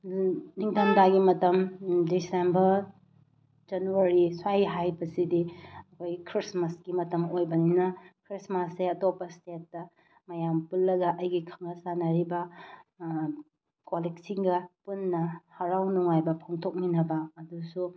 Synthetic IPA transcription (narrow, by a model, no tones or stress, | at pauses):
niŋtʰɐmdaɡimɐtɐmdisembɐɾ | d͡ʒɐnuaɾiswajɦajbɐsidiɐkʰojɡikʰɾismɐsɡimɐtɐmojbɐninɐkʰɾismɐseɐtopɐstetːɐ | mɐjampulːɐɡɐʔɐjɡikʰɐŋɡɐsanɐɾibɐ | koleksiŋɡɐpunːɐhɐɾawnuŋajbɐpʰoŋtʰok̚minɐbɐːdusu